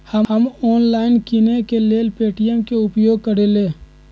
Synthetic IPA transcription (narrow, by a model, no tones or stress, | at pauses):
həəmɔːnlaːɪnkinekeleːlpeːʈijəmkeʊpjoːɡ̚kəɾeleː